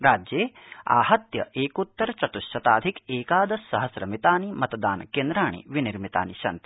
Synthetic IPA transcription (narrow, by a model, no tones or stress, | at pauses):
ɾaːd͡ʒjeːa̰ːhɐt̪jɐʔeːkut̪ːɐɾt͡ʃɐt̪uʃɐt̪aːd̪ʱikeːkaːd̪ɐsɐɦɐsɾɐmit̪aːnimɐt̪d̪aːnkeːnd̪ɾaːɳḭʋiniɾmit̪a̰ːniʃɐ̰nt̪i̥